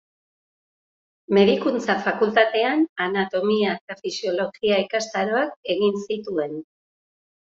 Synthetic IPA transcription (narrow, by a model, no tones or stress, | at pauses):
me̞ðikunt͡safakult̪at̪e̞ananat̪o̞miaet̪afisio̞lo̞ɣiaikast̪aɾo̞ake̞ɣinsit̪ue̞n